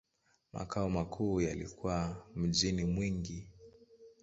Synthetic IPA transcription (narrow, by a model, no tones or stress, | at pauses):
ma̰kʰaɔmakʰuːjalḭkʰuwam̩ʄinimwiŋɡi